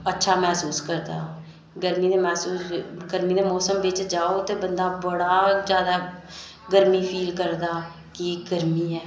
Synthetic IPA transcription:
ətːʃʰaːmɛːsuːskəɾd̪a̰ːoː | ɡəɾmiːneːmɛːsuːsɡəɾmiːd̪eːmɔːsəmbeːt͡ʃd͡ʒaːoːt̪eːbənd̪aːbəɽaːd͡ʒjaːd̪aː | ɡəɾmiːpʰiːlkəɾd̪aː | kiɡəɾmiːɛː

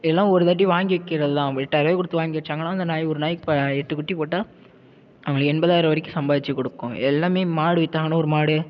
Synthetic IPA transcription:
ɪlːãːɔɾɯt̪ɐːʈ̬ːiʋaːŋɡɪʋɪkːɪɾɐðɯlãːʋɪʈːɐɾʋɐːkɔɽɯt̪ːɯʋaːŋɡɪʋɪt͡ʃːaːŋɡɐnãːɐnd̪ɐnaːjɔɾɯnaːjɪkːpɐɛʈːɯkːʊʈːipoːʈːaː | ɐʋɐŋɐɭkɛnbɐðaːjɪɾɐʋɐɾɪkːɯsɐmbaːðɪt͡ʃːɯkɔɽɯkːʊ̃ɛlːaːmeːmaːɽɯʋɪt̪ːaːŋɡɐnɐɔɾɯmaːɽɯ

